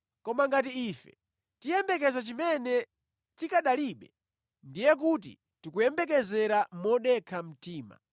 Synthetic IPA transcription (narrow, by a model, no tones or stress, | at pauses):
kɔmaŋɡat̬iiːfɛ̰̥ | tijɛmbɛk̬ɛzat͡ʃimɛnɛ | tikaɗaliɓɛ | ndijɛk̬ut̬ḭ | tikujɛmbɛk̬ɛzɛɾamɔɗɛkʰam̩tiːma̰